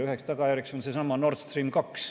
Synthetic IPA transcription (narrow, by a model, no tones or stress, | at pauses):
yhekst̪ɑkɑjæriksonsesɑmɑnort̪st̪riːmkɑks